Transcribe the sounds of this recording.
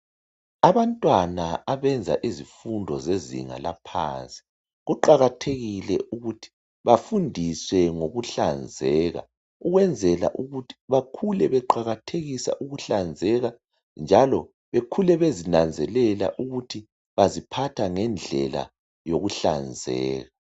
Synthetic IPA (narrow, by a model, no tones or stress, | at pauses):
aβantʼwanaaβɛnd͡zʱa̰ʔizifundʱɔ̰zezḭŋa̰la̰pʰa̰nt͡sʼi̥ | ɣuǃaɣatʰeɣilɛ̰ʔuɣutʰi̥ | βafundʱiswɛŋoɣuɬand͡zʱɛːɣa̰ | uɣwɛnd͡zʱɛla̰ʔuɣutʰi̥βakʰulɛβɛǃaɣatʰeɣisa̰ʔuɣuɬand͡zʱɛɣa | nd͡ʒʱalɔ | βekʰulɛβezinand͡zʱɛlɛla̰ʔuɣutʰi | βazipʰatʰaŋɛnd͡ɮʱɛ̰la̰ | joɣuɬa̰nd͡zʱɛ̰ːɣa